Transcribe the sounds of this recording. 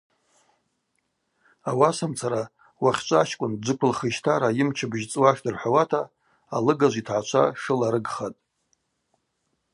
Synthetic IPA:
awasamt͡sʰaɾa | waχʲt͡ʃʷʼaʃkʷʼʊnd͡ʒʷɨkʷʰʊlχəʃtʰaɾajɪmt͡ʃʰɨbʒt͡sʼwaʃdɨrħʷawatʰaː | lɨɡaʒʷitʰʕat͡ʃʷʰa̰ʂɨlaɾɨɡχatʼ

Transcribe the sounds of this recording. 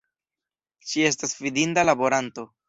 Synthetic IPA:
ʃie̞s̬tasvidindalabo̞ɾanto̞

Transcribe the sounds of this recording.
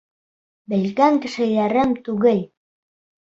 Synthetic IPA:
bɘ̆lkæŋkɘ̆ʃɘ̆læɾɘmt̪ʉɣɘl

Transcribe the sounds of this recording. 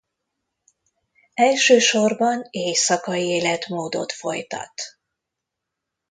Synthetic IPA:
ɛlʃøːʃo̞rbɒneːjsɒkɒjieːlɛt̪moːd̪o̞̰t̪fo̞̰jt̪ɒ̰t̪

